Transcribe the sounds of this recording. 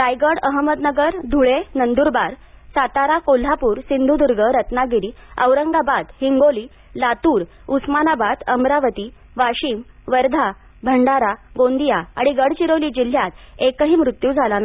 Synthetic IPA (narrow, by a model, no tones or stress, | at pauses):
ɾajɡəɽəɦməd̪nəɡəɾd̪ʱuɭenənd̪uɾbaɾsat̪aɾakol̤ːapuːɾsind̪ʱud̪uɾɡʱəɾət̪naɡiɾiːə̰ʋɾəŋɡabad̪hiŋɡoliː | lat̪uːɾ | usmanabad̪əmɾaʋət̪i | ʋaɕiːmʋəɾd̪ʱa | bʱəɳɖaɾaɡond̪ijaa̰ɽ̃iɡəɽ̤t͡ɕiɾoliːd͡ʑil̤jat̪ekəɦiːmɾut̪juːd͡zʱalan